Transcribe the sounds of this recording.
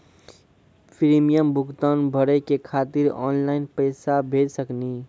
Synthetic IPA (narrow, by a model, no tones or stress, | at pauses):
pʰiɾimijəmbʱʊɡt̪aːnbʱəɽɛkekʰaːt̪iɾɔ̰ːnlaːɪnpəjsabʱeːd͡ʒsəkni